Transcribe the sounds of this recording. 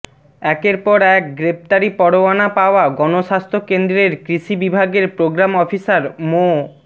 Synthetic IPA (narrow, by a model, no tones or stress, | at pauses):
ɛkeɾpɔɾɛk̚ɡɾep̚t̪aɾipɔɽoanapaoaɡɔnoʃast̪ʰokend̪ɾeɾkɾiʃibibʱaɡeɾpɾoɡɾamɔfisaɾmo